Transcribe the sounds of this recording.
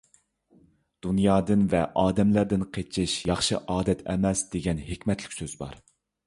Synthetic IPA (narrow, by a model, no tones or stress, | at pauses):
d̪̥unjɑːd̪ɨnvɛʔɑːd̪ɛmlæɾd̪ɪnqʰet͡ʃʰɪʃjɑχʃɨʔɑːd̪ɛt̪ʰɛ̰mɛsd̪̥eɡʲɛnhekʲmɛt̪lɪkʲsøzbɑ̰ɾ